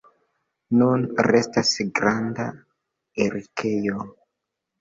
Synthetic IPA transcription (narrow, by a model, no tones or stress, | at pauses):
nunɾe̞stasɡɾanda | eɾikʰe̞jo